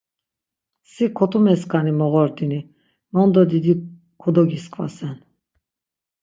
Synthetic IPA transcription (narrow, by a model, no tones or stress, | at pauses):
sikʰɔt̪ʰʼumɛskʰʼanimɔɣɔɾd̪ini | mɔnd̪ɔd̪id̪i | kʰɔd̪ɔɡiskʰʼva̰sɛn